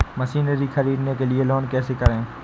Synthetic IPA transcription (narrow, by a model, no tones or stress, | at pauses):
mɐsiːnəɾixɐɾiːɖnekelielɔːnkɛːsekɐɾẽː